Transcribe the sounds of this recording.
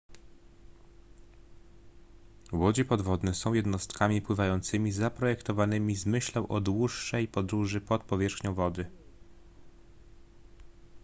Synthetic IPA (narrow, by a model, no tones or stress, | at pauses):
wɔd͡ʑɛpɔd̪vɔd̪nɛsɔ̃w̃jɛd̪nɔst̪kʰamʲipwɘvajɔnt̪sɘmʲizapɾɔjɛkt̪ɔvanɘmʲizmɘɕlɛwʔɔd̪wuʂːɛjpɔd̪ɾuʐɘpɔt̪̚pɔvʲjɛʂxɲɔ̃w̃vɔd̪ɘ